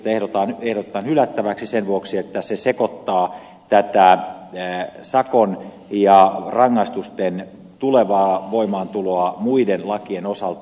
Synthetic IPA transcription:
t̪æehɾot̪ɑnehɾot̪ĕt̪ːɑnhylæt̪ːæʋæksisenʋuoksiet̪ːæsesekot̪ːɑː | t̪æt̪æ | sɑkon | jɑrɑŋːɑist̪ust̪en | t̪uleʋɑːʋoimɑːnt̪uloɑmuidenlɑkienosɑlt̪

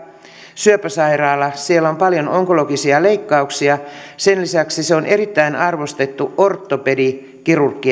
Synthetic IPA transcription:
syøpæsɑirɑːlːɑsielːæompɑljonoŋko̞lo̞ɡisiɑle̞ikːɑuksiɑsenlisæksiseo̞nʔe̞ɾit̪ːæinɑrʋo̞st̪e̞t̪ːuʔort̪ːopedi | kirurkːi

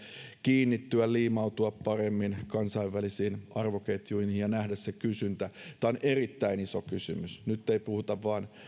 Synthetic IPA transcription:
kiːnːit̪ːyælliːmɑut̪uɑppɑremːinkɑnsɑiʋːælisiːnɑrʋoket̪juinhijjɑnæhdæssekysynt̪æt̪æːonʔerit̪ːæinisokysymysnyt̪ːeipuhut̪ɑʋːɑːn

